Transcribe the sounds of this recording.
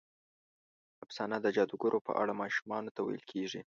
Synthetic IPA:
absɑnad̪əd͡ʒɑd̪uɡoɾʔopə̰ʔa̰ɽamɑʃumɑnot̪awa̰jəlkʰeʐi

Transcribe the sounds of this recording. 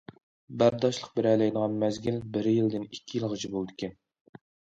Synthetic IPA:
bæɾd̪ɑʃlˠəq̚bɪɾɛlɛjnəʁɑnmæzɡʲilbɪɾjild̪ɪnikʲʰːijilˠʁɑt͡ʃʰibolˠd̪ɪkʲɛn

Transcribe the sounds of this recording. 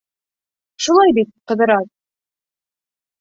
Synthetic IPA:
ʃulˠɑjbit̪̚qɤ̆ðɤ̆ɾɑt̪

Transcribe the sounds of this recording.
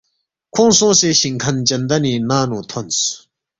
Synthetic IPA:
kʰɔŋsoŋseɕiŋkʰant͡ɕənd̪aniːnaːnot̪ʰɔns

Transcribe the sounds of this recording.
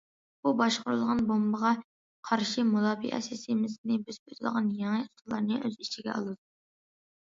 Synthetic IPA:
bubɑʃqʊɾulˠʁɑnbombɑʁɑ | qʰɑɾʃimulˠɑːbḭʔɛ̰sɪsimɪznɪbɪzpʰøt̪ʰɪlʁɑnjɛŋɨt̪ʰəlˠɑ̰ɾnɨʔøzit͡ʃʰiɡʲɛ̰ɑ̰lˠɨd̪u

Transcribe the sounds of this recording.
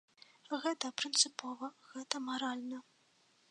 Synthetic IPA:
ɣɛt̪ɐpɾɨnt̪sɨpɔvɐɣɛt̪ɐmaɾalʲnɐ

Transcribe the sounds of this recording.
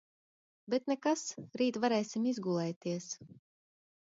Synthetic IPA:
bet̪nɛkasɾiːt̪vaɾɛjsʲimizɡulˠɛjt̪iɛs

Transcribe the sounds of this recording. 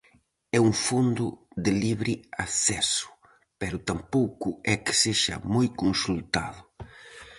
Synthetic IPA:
ɛuŋfond̪ʊd̪ɪliβɾiasɛsʊ̥ | pɛɾʊt̪ampowkʊɛkɪ̥seʃɐ̰mojkonsult̪a̰ðʊ

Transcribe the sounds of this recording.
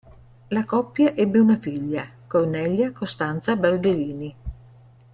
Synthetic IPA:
lakɔpːjaʔɛbːeunafiʎːakornɛʎjakost̪ant̪sabald̪eliːni

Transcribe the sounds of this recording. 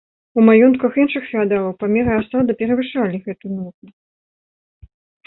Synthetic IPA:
umajɔnt̪kɐxinʂɨxfʲiad̪alˠɐwpamʲɛɾɐasad̪ɨpʲɛɾɐvɨʂalʲiɣɛt̪unɔt̪nu

